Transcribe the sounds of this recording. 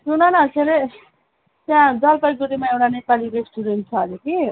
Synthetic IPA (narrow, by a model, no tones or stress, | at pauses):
sunanaseɾe | t̪jãd͡zʌlpʌjɡuɾimaewʈanepaliɾesʈuɾenʈ̚t͡sʰʌːleki